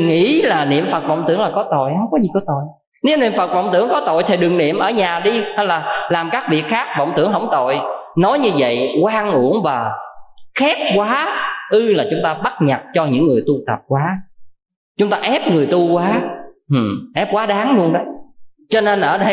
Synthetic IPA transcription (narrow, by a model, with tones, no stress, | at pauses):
ŋḭ˧˥laː˨˩nḭ˧˨əmfə˨˩t̚və̰˧˨wŋ͡mt̪ɨ̰˧˩əŋlaː˨˩kɔ˨˦t̪o̰˧˨jhə˧wŋ͡mkɔ˨˦zi˨˩kɔ˨˦t̪o̰˧˨j | ni˧˨˦nḭ˧˨əmfə˨˩t̚və̰˧˨wŋ͡mt̪ɨ˧˩˥əŋkɔ˨˦t̪o̰˧˨jt̪ʰi˨˩ɗɨ˨˩ŋnḭ˧˨əmʔəː˧˩ɲaː˨˩ɗi˧hə˧jlaː˨˩laː˨˩mkaː˦˥k̚vi˨˩ək̚xaː˦˥k̚və̰˧˨wŋ͡mt̪ɨ̰˧˩əŋɦə˧˩wŋ͡mt̪o̰˧˨jnɔ˨˦jɲɨ˧və̰˧˨jkwaː˧ŋʔu˧˩əŋvaː˨˩xɛ˦˥p̚kwaː˨˦ʔɨ˧laː˨˩t͡ɕʊ˨˦ŋ͡mt̪aː˧ɓa˦˥t̚ɲə˨˩t̚t͡ɕɔ˧ɲɨ̰˧˥ŋːɨ˨˩əjt̪u˧t̪ə˨˩p̚kwaː˨˦ | t͡ɕʊ˨˦ŋ͡mt̪aː˧ʔɛ˦˥p̚ŋɨ˨˩əjt̪u˧kwaː˨˦hɨ˨˩mʔɛ˦˥p̚kwaː˨˦ɗaː˨˦ŋlu˧ənɗə˨˦ | t͡ɕɔ˧ne˧nʔəː˧˩ɗə˧